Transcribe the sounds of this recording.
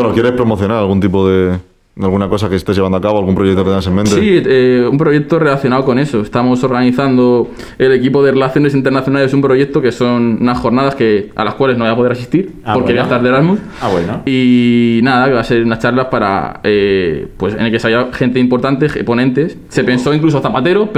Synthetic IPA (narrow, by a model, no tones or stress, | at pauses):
enokjeɾe̞spɾo̞mo̞θjo̞naɾalɣunt̪̬ipoðe | alɣunako̞sakeest̪ezʝeβand̪oakaβalɣumpɾojek̚t̪oet̪enasemẽnesieumpɾo̞ʝe̞k̚t̪o̞re̞laθjo̞naoko̞ne̞so̞est̪amo̞so̞ɾɣaniθand̪o̞ | e̞le̞k̬ipo̞ðe̞re̞laθjo̞ne̞sint̪̬enaθjo̞nales̬umpɾo̞ʝe̞k̚t̪o̞keso̞nunasxo̞ɾnaðaske̞a̰laskwale̞zno̞ajapo̞ðeɾasist̪iɾpo̞ɾkkeiaest̪aɾðeɾazmuð | awenoinaðakeβase̞ɾunat͡ʃaɾlapaɾa̰epwesḛneke̞sajaxe̞nt̪̬eimpo̞ɾt̪ant̪e̞po̞nẽ̞nt̪e̞sːe̞pe̞nso̞iŋklus̬oat̪apat̪e̞ɾop